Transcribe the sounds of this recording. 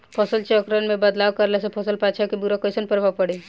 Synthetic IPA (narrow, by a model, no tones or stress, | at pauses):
pʰɔsəlt͡ʃɔkɾənmẽbəd̪lawkəɾlesepʰəsəlpat͡ʃʰakibuɾakəjsənpəɾbʱapəɽe